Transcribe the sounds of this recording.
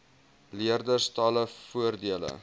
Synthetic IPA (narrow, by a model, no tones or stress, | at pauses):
liərdərstɑləfuərdiələ̰